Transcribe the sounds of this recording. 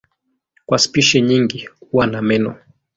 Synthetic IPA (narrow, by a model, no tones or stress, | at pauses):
kwaspiʃɛɲiŋɡiwanamɛnɔ